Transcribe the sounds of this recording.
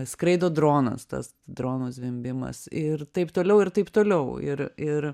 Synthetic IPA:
skɾɐɪd̪oːd̪ɾoːnɐ̰st̪ɐ̰s | d̪ɾoːnuːsʋʲɪmʲbʲɪmɐ̰sɪɾt̪ɐɪpt̪oːlʲɛʊɪɾt̪ɐɪpt̪oːlʲɛʊɪ̰ɾɪɾ

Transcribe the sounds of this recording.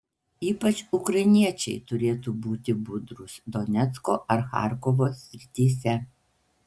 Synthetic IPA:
iːpɐt͡ʃʊkɾɐɪnʲiɛt͡ʃʲɛɪt̪ʊɾʲeːt̪uːbuːt̪ʲɪbʊd̪ɾʊsd̪ɔnʲɛt̪sko̰ːʔɐɾxɑ̰ˑɾkɔʋoːsʲɾʲɪt̪ʲiːsʲɛ

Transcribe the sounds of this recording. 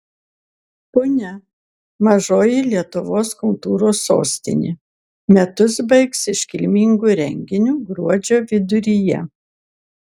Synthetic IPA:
pʊnʲɛ | mɐʒoːjilʲiɛt̪ʊʋoːskʊlˠt̪uːɾoːsːo̰ːsʲt̪ʲɪ̰nʲḭː | mʲɛt̪ʊsbɐɪksɪʃʲkʲɪlʲmʲiŋɡuːɾʲɛŋʲɡʲɪnʲuːɡɾuɔd͡ʒʲoːʋʲɪd̪ʊɾʲijɛ̰

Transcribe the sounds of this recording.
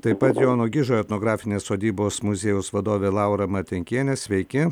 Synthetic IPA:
t̪ɐɪpɐt̪joːnoɡʲɪʒoːɛt̪noːɡɾɑːfʲɪnʲeːssoːd̪ʲiːboːsmʊzʲeːjʊsʋɐd̪oːʋʲeːlˠɑˑʊɾɐmɐt̪ʲɛŋʲkʲiɛnʲesʲʋʲɛɪkʲɪ

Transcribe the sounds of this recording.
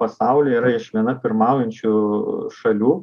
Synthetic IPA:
ɐsɑˑʊlʲiːiːɾɐɪʃʋʲiɛnɐpʲɪɾmɑˑʊjɛnʲt͡ʃʲuʃɐlʲuː

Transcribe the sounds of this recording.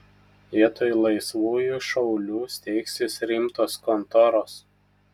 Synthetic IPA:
iɛt̪oːjlˠɐɪsʋuːjuʃɒʊlʲuːsʲt̪ʲɛɪksʲɪsɾʲɪmt̪oːskɔnt̪ɔɾoːs

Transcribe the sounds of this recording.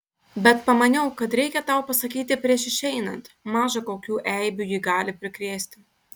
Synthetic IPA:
bʲɛt̪pɐmɐnʲɛʊkɐt̪ɾʲɛɪkʲɛt̪ɑˑʊpɐsɐkʲiːt̪ʲɪpʲɾʲiɛʃɪʃʲɛɪnɐnt̪mɑːʒɐkoːkʲuːʔɛɪbʲuːjiːɡɑːlʲɪpʲɾʲɪkɾʲeːsʲt̪ʲɪ

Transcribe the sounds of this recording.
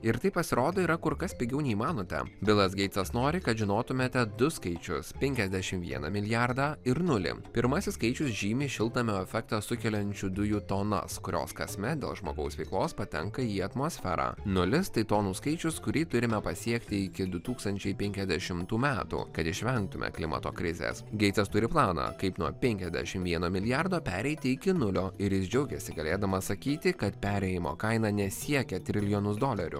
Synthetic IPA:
ɪɾt̪ɐɪpɐsʲɪɾoːd̪oːiːɾɐkʊɾkɐspʲɪɡʲɛʊnʲɛimɑːnoːt̪ʲɛ̰bʲɪlˠɐsɡʲɛɪt̪sɐsnoːɾʲɪkɐt̪ʒʲɪnoːt̪ʊmʲeːt̪ʲɛd̪ʊskɐɪt͡ʃʲʊ̰spʲɛŋʲkʲɛzʲd̪ʲæʃʲɪmʋʲḭɛnɐ̰mʲɪlʲɪjæɾd̪ɑːɪɾnʊlʲɪ̰pʲɪɾmɐsʲɪsskɐɪt͡ʃʲʊsʒʲiːmʲiːʃʲɪlˠt̪ɐmʲɛɛfʲɛkt̪ɐsʊkʲɛlʲɛnʲt͡ʃʲʊd̪ʊjuːt̪oːnɐ̰skʊɾʲo̰ːskɐsʲmʲɛd̪ʲeːlˠʒmo̰ːɡɐʊsʋʲɛɪklˠoːspɐt̪ʲɛ̰ŋkɐiːɐt̪moːsʲfʲɛ̰ɾɑ̰ːnʊlʲɪst̪ɐɪt̪oːnuːskɐɪt͡ʃʲʊskʊɾʲiːt̪ʊɾʲɪmʲɛpɐsʲiɛkt̪ʲɪɪkʲɪd̪ʊt̪uːkst̪ɐnʲt͡ʃʲɛɪpʲɛŋʲkʲɛzʲd̪ʲɛʃʲɪmt̪uːmʲæːt̪ṵːkɐt̪ɪʃʲʋʲɛŋk̚t̪ʊmʲɛ̰klʲɪmɐ̰t̪o̰ːkɾʲɪzʲḛːsɡʲɛɪɛst̪ʊɾʲɪplˠɑːnɑ̰kɐɪpnuɔpʲɛŋʲkʲɛzʲd̪ʲæ̰ʃʲɪmʋʲiɛnoːmʲɪlʲɪjɑɾd̪oːpʲæːɾʲɛɪt̪ʲɪɪkʲɪnʊlʲoːɪɾjɪsd͡ʒʲɛʊɡʲɛsʲɪɡɐlʲeːd̪ɐmɐsɐkʲiːt̪ʲɪkɐt̪pʲæːɾʲɛjɪmo̰ːkɐɪnɑːnʲɛsʲiɛkʲɛt̪ʲɾʲɪlʲɪjoːnʊsd̪oːlʲɛɾʲʊ̰

